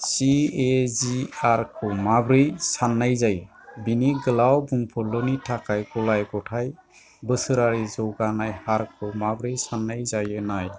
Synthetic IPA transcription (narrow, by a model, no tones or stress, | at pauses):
sieziaɾkʰɔmabɾɯjsanːajzaj | biniɡəlawbuŋpʰɔlɔnitʰakajɡɔlajɡɔʈʰaj | bɯsɯɾaɾizɔwɡanajhaɾkʰɔmabɾɯjsanːajzajɯnaj